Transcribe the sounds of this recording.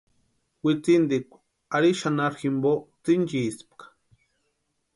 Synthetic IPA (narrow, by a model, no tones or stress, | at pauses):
wit͡sind̪ikʷ | aɾiʃanaɾximbot͡sint͡ʃisp̚kḁ